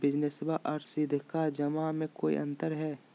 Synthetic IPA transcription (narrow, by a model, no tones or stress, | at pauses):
bɪd͡ʒnesbaʔɔɾsɪd̪ʱkad͡ʒɐmamẽkoːḭʔɐ̰̃nt̪əɾɦɛː